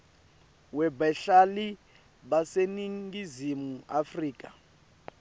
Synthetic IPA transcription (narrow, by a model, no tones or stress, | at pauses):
wɛbaɬali | βaseniŋɡizimuafriːkʼa